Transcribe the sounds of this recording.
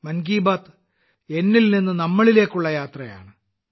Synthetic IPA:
mɐnɡiːbaːt̪ | e̞nːilninːunɐmːɐɭile̞ːkːuɭːɐjaːt̪rɐja̰ːɳɨ

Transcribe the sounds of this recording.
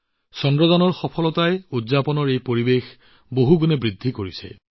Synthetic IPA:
sɔndɹɔzɔnɔɹxɔpʰɔlɔtajudzapɔnɔɹejpoɹibex | boɦuɡunɛbɹid̪ʱːikoɹisɛ̰

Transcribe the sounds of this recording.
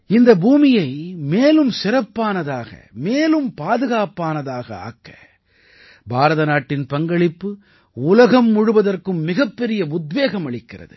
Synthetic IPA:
ɪnd̪ɐbuːmɪjɐɪmeːlɯmsɪɾɐpːaːnɐðaːɣɐ̰meːlɯmpaːðɯɣaːpaːnɐðaːɣɐ̰a̰ːkːɐ̥̰ | bʱaːɾɐðɐnaːʈːɪnpɐŋɡɐɭɪpːɯ | ʊlɐɣɐmːʊɻʊʋɐðɐrkɯmːɪɣɐpːɛɾɪjɐʊd̪ʋeːɣɐmɐɭɪkːɪrɐ̰ðɯ̰

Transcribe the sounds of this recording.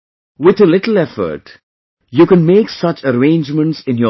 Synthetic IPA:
wɪt̪əlɪʈl̩ɛfə̰ɾʈ | jukɛ̃nmeːksʌt͡ʃəɾẽɪ̃nd͡ʒmə̃ɳʈsɪ̃njə

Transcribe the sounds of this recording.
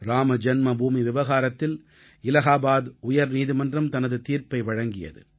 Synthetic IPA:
ɾaːmɐd͡ʒɛnmɐbuːmiʋɪʋɐɣaːɾɐt̪ːɪl | ɪlɐɣaːbaːd̪ʊjɐɾniːðimɐndrɐmt̪ɐnɐðɯt̪iːɾpɐɪʋɐɻɐŋɡɪjɐ̰ðɯ̰

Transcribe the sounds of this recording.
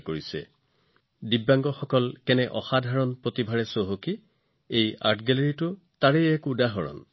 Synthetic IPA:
koɹisɛ̰ | dibːaŋɡɔxɔkɔlkɛnɛʔɔxadʱaɹɔnpɹotibʱaɹɛsoɦoki | eja̰tʰɡɛleɹitʊ | taɹɛjɛkudaɦɔɹɔ̰n

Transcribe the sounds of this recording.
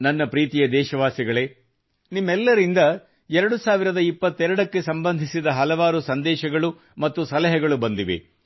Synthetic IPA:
nɐnːɐpɾiːt̪ijɐd̪ɛːʃɐʋaːsiɡɐɭe̞ː | nimːɛlːɐɾind̪ɐ | ɛɾɐɽusaːʋiɾɐd̪ɐipːɐt̪ːɛɾɐɽɐkːe̞sɐmbɐnd̪ʱisid̪ɐɦɐlɐʋaːɾusɐnd̪ɛːʃɐɡɐɭu | mɐt̪ːusɐlɐɦɛɡɐɭubɐnd̪iʋḛ

